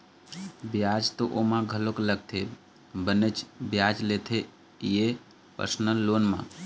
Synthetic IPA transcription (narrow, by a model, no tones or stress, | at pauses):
bjaːd͡ʒt̪oʔomãɡʱəlokləɡ̚t̪ʰe | bənət͡ʃbjaːd͡ʒleːt̪ʰe | je | pə̰ɾsnəlːoːnmã̰